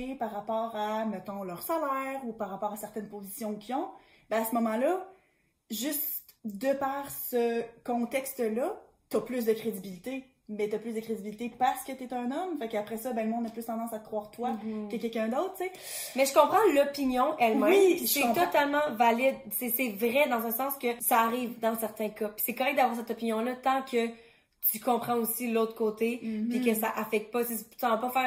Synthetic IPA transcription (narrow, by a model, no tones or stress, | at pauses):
epaʁːapɑːʁamət̪ɔ̃lœːʁsalɛːʁupaʁːapɑːʁasɛʁt̪ɛnpozisjɔ̃kʰʲiɔ̃ | bɛ̃asəmɔmɑ̃lʌ | ʒyst̪ | d̪əpaʁsəkɔ̃t̪ɛkst̪əlʌ | t̪yɐplys̬d̪əkχed̪ibilit̪e | mɛt̪yɐplysd̪əkχed̪ibilit̪epaʁsə̥kət̪yɛt̪ɛ̃nɔmfakapχɛsʌbɛ̃ləmɔ̃d̪aplyst̪ɑ̃d̪ɑ̃sat̪ə̥kχwaːʁt̪wakəkʲɛlkʲɛ̃d̪ɔʊt̪χtt͡se | mɛʒəkɔ̃pχɑ̃lɔpinjɔ̃ʔɛlmɛ̃iisɛt̪ɔt̪almɑ̃valɪd̪sɛsɛvʁɛd̪ɑ̃zɛ̃sɑ̃skʲəsaːʁiːvd̪ɑ̃sɛʁt̪ɛ̃kʌpi̥sɛkɔʁɛk̚d̪avwaːʁsɛt̪ɔpinjɔ̃lʌt̪ɑ̃kʰə | t̪ykɔ̃pχɑ̃usiloʊt̪χkoːt̪epikʲəsaʔafɛk̚t̪̚pɔt͡set̪y̥ɑ̃vapɔfɛːʁ